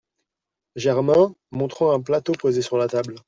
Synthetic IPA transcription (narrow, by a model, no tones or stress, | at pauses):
ʒɛʁmɛ̃ | mɔ̃t̪χɑ̃ɛ̃plat̪opozesyʁlat̪abl